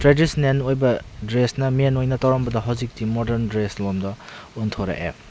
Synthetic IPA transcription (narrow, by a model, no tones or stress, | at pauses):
tɾedisnenojbɐdɾesnɐmenojnɐtɐwɾɔmbɐdɐɦɐwzik̚timodeɾndɾeslomdɐuntʰoɾɐ̰ʔḛ